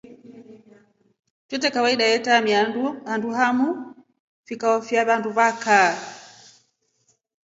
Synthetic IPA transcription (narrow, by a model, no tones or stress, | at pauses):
t͡ʃɛt̬ɛkawaiɗajɛtamiahanduɦamu | fikaɔfjaβanduβaka